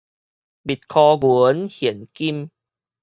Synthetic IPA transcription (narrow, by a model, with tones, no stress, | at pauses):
bi˨˩t̪̚kʰɔ˧ɡu˨˦ə˦nhɛ˨˩ənki˦˧m